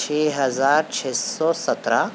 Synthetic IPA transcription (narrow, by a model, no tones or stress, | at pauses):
eːɦəzaːɾt͡ʃʰeːsɔːsət̪ɾa